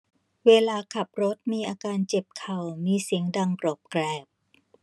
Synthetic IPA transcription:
weː˧laː˧kʰa˨˩p̚ɾo˦˥t̪̚miː˧ʔaː˧kaː˧nt͡ɕe˨˩p̚kʰa˨˩wmiː˧si˨˩˦əŋda˧ŋpɾɔː˨˩p̚kɾɛː˨˩p̚

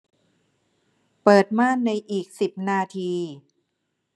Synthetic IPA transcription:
pɤː˨˩t̪̚maː˥˩nːa˧jʔiː˨˩k̚si˨˩p̚naː˧t̪ʰiː˧

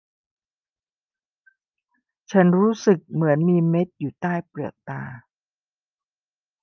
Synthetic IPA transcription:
t͡ɕʰa˦˥nɾuː˦˥sɯ˨˩k̚mɯ˩˦ənmiː˧me˦˥t̪̚juː˨˩t̪aː˥˩jpɾɯ˨˩ət̪̚t̪aː˧

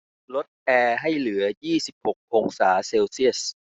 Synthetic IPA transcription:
lo˦˥t̪̚ʔɛː˧ɦa˥˩jlɯ˩˦ɐjiː˥˩si˨˩p̚ho˨˩k̚ʔoː˧ŋsaː˩˦seː˧wsi˥˩əs

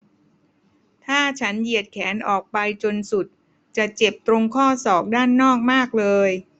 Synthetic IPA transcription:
t̪ʰaː˥˩t͡ɕʰa˦˥nji˨˩ət̪̚kʰɛː˩˦nʔɔː˨˩k̚pa˧jt͡ɕo˧nsu˨˩t̪̚ | t͡ɕa˨˩t͡ɕe˨˩p̚t̪ɾo˧ŋkʰɔː˥˩sɔː˨˩k̚daː˥˩nːɔː˥˩k̚maː˥˩k̚lɤː˧j

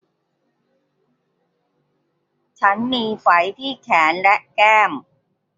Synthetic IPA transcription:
t͡ɕʰa˦˥nmiː˧fa˩˦jt̪ʰiː˥˩kʰɛː˩˦nlɛ˦˥ʔkɛː˥˩m

